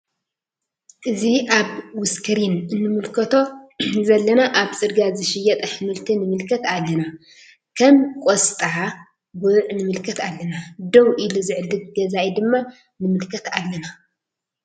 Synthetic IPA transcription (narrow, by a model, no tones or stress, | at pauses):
ʔɨziʔaβwʊskʰɨɾinɨnːɨmɨlkʰɐt̪ʰo̞zɐlːɐnaʔaβt͡sʼɨɾɡazɨʃɪjɐt̪ʼɐħɨmɨlt̪ʰinɨmɨlkʰɐt̪alːɐna | kʰɐmkʼost̪ʼɨʕa | bɨʕnɨmɨlkʰɐt̪alːɐnad̪owʔiluzɨʕɨlːɨɡ̚ɡɐzajid̪ɨmːa | nɨmɨlkʰɐt̪alːɐna